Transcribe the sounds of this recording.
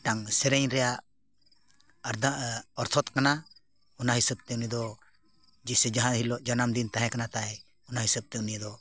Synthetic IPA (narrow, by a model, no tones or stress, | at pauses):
ʈaŋsɛɾɛɲɾɛjaʔ | ɾd̪aɔɾt̪ʰɔt̪kana | ɔnaɦisəb̚t̪ɛuniəd̪ɔ | d͡ʒisɛd͡ʒaɦãɦilɔʔd͡ʒanamd̪int̪aɦɛ̃kanat̪aj | ɔnaɦisəb̚t̪ɛunijəd̪ɔ